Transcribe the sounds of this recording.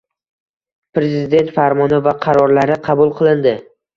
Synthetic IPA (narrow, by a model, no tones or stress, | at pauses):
pɾe̞zɪd̪e̞nt̪faɾmɒnɪvaqʰɑɾɒɾlaɾɪqʰɑbʊlˠqʰɨlˠɪnd̪ɪ